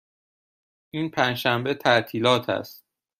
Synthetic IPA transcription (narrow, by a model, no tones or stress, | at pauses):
ʔiːnpʰæːnʃæmbet̪ʰæʔt̪ʰiːlɒːt̪ʰæ̰st̪